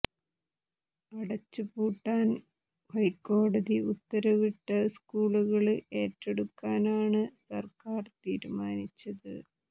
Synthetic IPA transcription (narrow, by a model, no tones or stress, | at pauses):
ɐɽɐt͡ɕːɨpuːʈːaːn | hɐjkːo̞ːɽɐðiut̪ːɐɾɐʋiʈːɐskuːɭuɣɐɭe̞ːtːeɽukːaːnaːɳɨsɐrkaːrt̪iːɾumaːnit͡ɕːɐðɨ̰